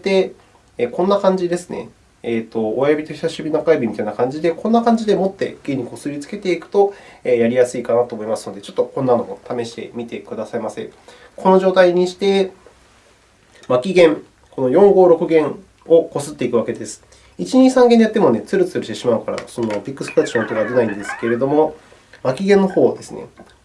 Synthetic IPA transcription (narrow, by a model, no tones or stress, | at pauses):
t̪e̞ | kõ̞nːakãɲ̟d͡ʑid̪e̞sɨne̞̰ː | t̪o̞ːjabʲit̪oçi̥saɕibʲinakaibʲimit̪ainakãɲ̟d͡ʑid̪e̞kõ̞nːakãɲ̟d͡ʑid̪e̞mo̞t̪ːe̞̰ɡ̥ẽ̞ɲ̟ːiko̞sɨɾʲit͡sɨ̥ke̞t̪e̞ikɯ̟̥t̪o̞eːjaɾʲijasɨikanat̪o̞ːmo̞imasɨno̞d̪e̞t͡ɕo̞̥t̪ːo̞kõ̞nːano̞ot̪ame̞ɕi̥t̪e̞̰mʲit̪e̞kɯd̪asaimasẽ̞ŋ | ko̞no̞ʑo̞ːt̪aiɲ̟iɕi̥t̪e̞ | makʲiɡẽ̞ŋ | ko̞no̞jõ̞ŋɡo̞ːɾo̞kɯ̟ɡẽ̞ɰ | o̞ko̞sɨt̪ːe̞ikɯ̟βake̞d̪e̞sɨ̥ | it͡ɕiɲ̟isãŋɡenejat̪ːemo̞ne̞t͡sɨɾɯt͡sɨɾɯ̟ɕt̪e̞ɕimaɯ̟kaɾa̰so̞no̞pʲikːɯ̟sɨ̥pɯɾat͡ɕːiot̪eɡad̪e̞naĩnd̪e̞sɨ̥ke̞ɾe̞d̪o̞mo̞ | makʲiɡẽ̞nːo̞ho̞ːd̪e̞sɨne̞̰